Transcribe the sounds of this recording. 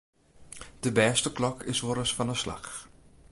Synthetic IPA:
d̥əbɛːstəklɔkʰɪsʋoɾəsfɔnəsla̰x

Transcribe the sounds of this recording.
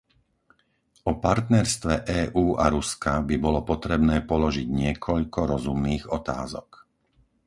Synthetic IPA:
ɔpaɾt̪nɛɾst̪ʋɛʔɛːʔuːʔaɾuskabibɔlɔpɔt̪ɾɛbnɛːpɔlɔʒiɟɲɪɛkʰɔʎkɔɾɔzumniːɣɔt̪a̰ːzɔk

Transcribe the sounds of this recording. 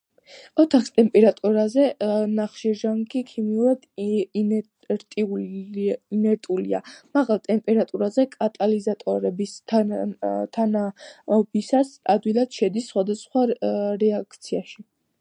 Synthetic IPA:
ɔt̪ʰaχst̪ʼɛmpʼɛɾat̪ʼuɾazɛnaχʃiɾʒaŋɡikʰimiuɾad̪̥ | ɾt̪ʼiu | nɛɾt̪ʼulḭa̰maʁalˠt̪ʼɛmpʼɛɾat̪ʼuɾazɛkʼat̪ʼalizat̪ʼɔɾɛbist̪ʰ | t̪ʰanaɔbisasa̰d̪wilˠad̪̥ʃɛd̪isːχwad̪asχwaɾɛakʰt̪sʰiaʃi

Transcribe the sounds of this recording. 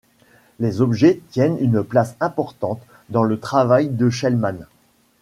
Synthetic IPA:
lezɔbʒɛt̪jɛnynplasɛ̃pɔʁt̪ɑ̃t̪ | d̪ɑ̃lət̪χavajd̪əʃɛlman

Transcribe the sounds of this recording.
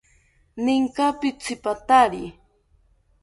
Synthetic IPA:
nɪŋkapɪt͡sɪpat̪aɾi

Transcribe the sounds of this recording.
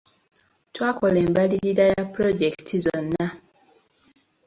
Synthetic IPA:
twaːkoleːmbaliɾiɾajapɾoɟektʰizonːa

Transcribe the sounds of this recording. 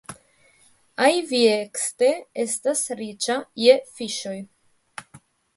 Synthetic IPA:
ajviekste̞estasɾit͡ʃajefiʃo̞j

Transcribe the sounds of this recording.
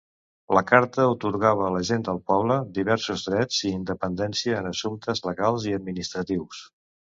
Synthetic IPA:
ləkaɾt̪əut̪uɾɣaβəːləʒend̪əlˠpɔβləd̪iβɛɾsuzðɾɛd͡ziːnd̪əpənd̪ɛnsiəːnəsumt̪əzləɣalˠziəd̪̚minist̪ɾət̪iws

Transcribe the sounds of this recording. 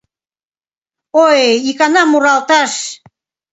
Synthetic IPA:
ojikɑnɑmuɾɑlt̪ɑʃ

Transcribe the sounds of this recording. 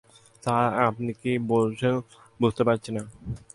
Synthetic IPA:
t̪aapnikibolʃʰe | bud͡ʑt̪epaɾt͡ɕʰina

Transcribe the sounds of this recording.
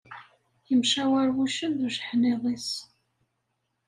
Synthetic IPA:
jəmʃæwæɾwuʃənɾʒəħneðˤis

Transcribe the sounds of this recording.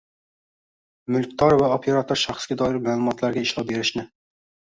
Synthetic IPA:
mʊlˠk̚ʲt̪ʰɒɾvaopʰeɾat̪ʰoɾʃɑχsɡʲad̪ɒɪɾmaːlˠʊmɒt̪ʰlaɾɡʲaɪʃlˠɒp̚be̞ɾɪʃnɪ

